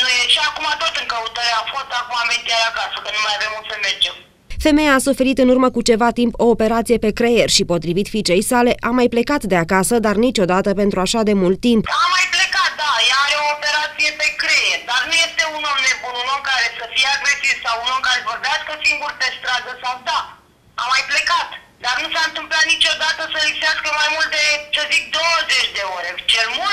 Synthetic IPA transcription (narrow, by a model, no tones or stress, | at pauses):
nojeʃiakumat̪ot̪ɨŋkəut̪aɾeafo̞st̪akumament̪ʲiaɾakasəkənnumajave̞musəmerd͡ʒe̞m | fe̞me̞jaːsufe̞ɾit̪ɨnurməkut͡ʃe̞vat̪impo̞ːpe̞ɾat̪sije̞pe̞kɾe̞jerʲʃipo̞t̪ɾivit̪fit͡ʃe̞jsale̞ʔʔamajple̞kat̪d̪e̞akasəd̪arnit͡ʃo̞d̪at̪əpe̞nt̪ɾuaʃad̪e̞mult̪ːimpamːajplekat̪̚d̪ajaːɾeoːpe̞ɾat̪sije̞pe̞kɾe̞jerʲd̪arnuje̞st̪e̞unulne̞bununulkaɾe̞səfijeaɡɾe̞sivsawunulkaɾe̞vo̞rbeaskəsiŋɡurpe̞st̪ɾad̪əsawd̪a | amajple̞kat̪ | d̪arnusaɨnt̪ɨmplat̪nit͡ʃo̞d̪at̪əsəlikseaskəmajmult̪̚d̪et͡ʃəzik̚d̪o̞wəzet͡ʃʲd̪e̞o̞ɾʲet͡ʃelmul